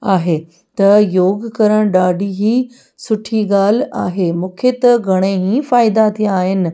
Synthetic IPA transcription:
aːɦe | t̪ɐjoːɡkɐɾəɽ̃ɗaːɖiɦiː | sʊʈʰiɠaːl̤aːɦemũːkʰet̪ɐɡʱɐɽ̃eɦĩfaːɪd̪at̪ʰijãːɦɪnɪ̆

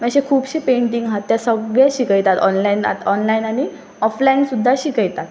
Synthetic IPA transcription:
məɕekʰuːbɕiːpeɳʈiŋɡɦat̪ːjasəɡɭjaɕikəjt̪at̪ɔnlaina̰t̪ɔnlainaɽ̃i | ɔflainsud̪ʱːaɕikəjt̪at̪̚

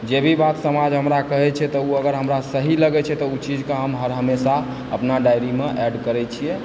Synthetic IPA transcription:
d͡ʒebʱibat̪səmad͡ʒɦəmɾakəɦɛt͡ʃʰɛt̪ɔuəɡəɾɦəmɾasəɦiləɡɛt͡ʃʰɛt̪ɔut͡ʃid͡ʒkeɦəmɦəɾɦəmesa | əpnaɖajɾimeʔɛɖkəɾɛt͡ʃʰijɛ

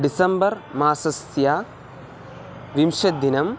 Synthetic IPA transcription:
ɖisɐmbɐrmaːsɐsja | ʋimʂɐd̪inɐm

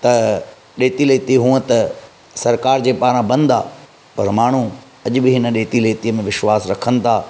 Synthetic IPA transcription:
t̪ɐ | ɗeːt̪ileːt̪iɦũːə̃t̪ɐ | sɐɾkaːɾd͡ʑeːpaːɾãbɐ̃nd̪a̰ː | pɐɾmaːɳ̤u | ɐʄbɪɦɪnə̆ɗeːt̪ileːt̪iəmẽʋɪʃwaːsɾɐkʰənɪ̆t̪ʰaː

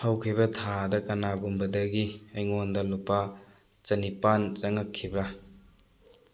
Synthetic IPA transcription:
hawkʰibɐtʰadɐkɐnaɡumbɐdɐɡiɐjŋondɐlupːa | t͡ʃɐnipant͡ʃɐŋɐkʰːibɾa

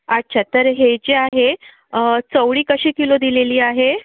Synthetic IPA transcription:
at̚ːt͡ɕʰat̪əɾɦet͡ɕeaɦe | t͡səwɽiːkəɕiːkilod̪ileliːaɦe

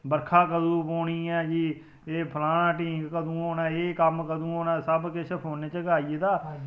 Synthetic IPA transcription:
bəɾkʰaːkəd̪ũːpoːɽiːɛːd͡ʒiː | eːpʰəlaːnãːʈiːɡkəd̪ũːoːnɛ̃ːeːkəmkəd̪ũːoːnãːsəbkɪʃʰəɦoːneːt͡ʃəɡaːiːeːd̪aː

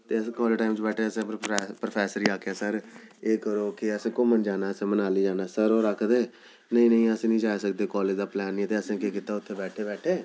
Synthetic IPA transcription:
t̪eːəskɔːləʈaːɪmt͡ʃbɛːʈʰeːəsẽːpɾəpʰɛːsəɾiːaːkeaːsəɾeːkəɾoːkɪəsẽːkʊmənd͡ʒaːnaːəsẽːmənaːliːd͡ʒaːnaːsəɾoːɾəkʰd̪eː | nəĩːnə̃ĩːəsẽːnĩːd͡ʒaːsək̚d̪eːkɔːled͡ʒd̪aːplɛːnːiːt̪eːəsẽːkeːkɪt̪aːʊt̪ʰːeːbɛːʈʰeːbɛːʈʰeː

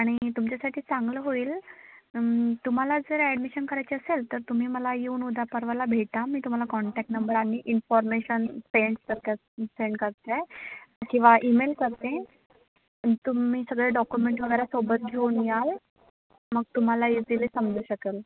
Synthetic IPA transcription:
aɽ̃it̪umt͡ɕjasaʈʰiːt͡saŋɡləɦoiːl | t̪um̤alad͡zəɾæɖmiɕənkəɾajt͡ɕeəselt̪əɾt̪um̤iːməlajeuːnud̪ʱapəɾʋalabʱeʈ̪amiːt̪um̤alakɔɳʈæk̚ʈnəmbəɾanːiːʔinfɔɾmeɕənpeɳskəɾka | seɳkəɾt̪ekĩw̃ʋaʔimelkəɾt̪ẽ | t̪umiːsəɡɭeɖɔkjumeɳʈʋəɡəjɾasobət̪̚d͡ʑʱonjal | məɡ̚t̪um̤alaiziliːsəmd͡zuːɕəkel

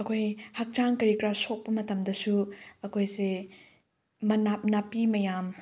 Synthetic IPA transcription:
ɐkʰojhɐk̚t͡ʃaŋkɐɾikɾasok̚pɐmɐtɐmdɐsuɐkʰojse | mɐnap̚napimɐjam

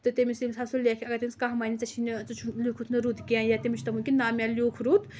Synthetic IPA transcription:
t̪ɨt̪emisʲimʲsasulʲekʰʲɐɡɐt̪emʲskaɦmaːnit͡sɐt͡ʃʰinɨt͡sɐt͡ʃʰulʲuːkʰut̪ʰnɨɾud̪kʲãnjat̪emit͡ʃʰt̪ɐmunʲkʲinaːmʲalʲoːkʰɾut̪ʰ

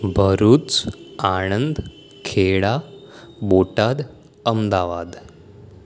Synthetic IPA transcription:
bʱəɾuːt͡saɳ̃ənd̪ | kʰeɭa | boʈad̪ | əmd̪aʋad̪

